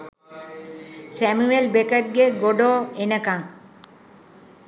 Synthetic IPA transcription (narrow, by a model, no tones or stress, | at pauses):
sæmuelbekət̚ɡeɡoɖoːenəkaŋ